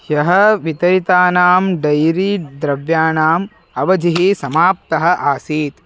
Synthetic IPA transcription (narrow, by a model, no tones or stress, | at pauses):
jɐɦɐʋit̪ɐɾit̪aːnaːmɖɐjɾiːd̪ɾɐʋjaːnaːm | ɐʋɐd͡ʒiɦisɐmaːp̚t̪ɐɦɐ̆ʔaːsiːt̪